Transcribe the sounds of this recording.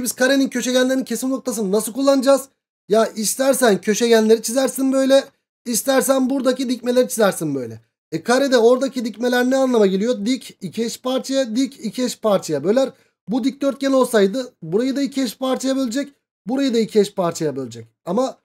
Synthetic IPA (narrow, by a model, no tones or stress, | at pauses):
ibiz̥kʰaɾenincʰø̞ʃeɟænlʲeɾincʰe̞simnno̞k̚t̪ʰasɯnɯnasɯlˠkʰulˠːanɯd͡ʒaːz̥ | jaist̪ʰæɾsæncʰø̞ʃeɟænlʲeɾit͡ʃʰizæɾsinbø̞jlʲɛ | ist̪ʰæɾsænbuɾd̪acid̪ic̚me̞lʲe̞ɾit͡ʃʰizæɾsinbø̞jlʲɛ̰ | ɛkʰaɾed̪ɛo̞ɾd̪acʰid̪icmelʲæɾnɛanlˠamaɟelʲijo̞d̪icicʰiɛʃpʰaɾt͡ʃʰajad̪icicʰiɛʃpʰaɾt͡ʃʰajabølʲæɾ | bud̪ic̚d̪ø̞ɾt̪̚ɟʲɛlʲo̞lˠsajd̪ɯbuɾajɯd̪aicʰiɛʃpaɾt͡ʃʰajabilʲed͡ʒɛc | buɾajɯd̪aicʰiɛʃpʰaɾt͡ʃʰajabølʲed͡ʒɛc | ama